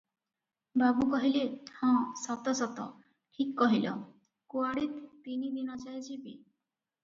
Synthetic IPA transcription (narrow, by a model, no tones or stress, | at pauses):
babukɔɦilehɔ̃sɔt̪ɔsɔt̪ɔ̰ | ʈʰikːɔɦilɔ̰ | kuaɽit̪ːinid̪inɔt͡ʃajt͡ʃʰibḭ